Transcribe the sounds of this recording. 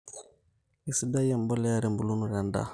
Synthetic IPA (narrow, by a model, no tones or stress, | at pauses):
isidajambɔlɛjaɾimbulunuɾanda̰